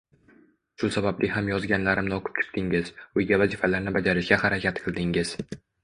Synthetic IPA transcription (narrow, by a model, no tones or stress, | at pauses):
ʃʊsabablʔɪhamjɒzɡʲanlaɾɪmnɒqʰʊ̥p̚t͡ʃʲʰɪ̥p̚t̪ʰɪŋɪz̥ʊjɡʲavazifalaɾnɪbad͡ʒaɾɪʃɡʲahaɾakʲʰat̪qʰɨlˠd̪ɪŋɪz̥